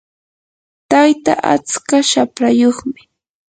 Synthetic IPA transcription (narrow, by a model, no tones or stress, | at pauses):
t̪ajt̪aʔa̰t͡skaʃapɾajoχmɪ